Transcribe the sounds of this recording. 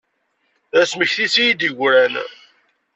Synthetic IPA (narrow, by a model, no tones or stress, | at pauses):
æsməçθisijid̪iʝʷɾæn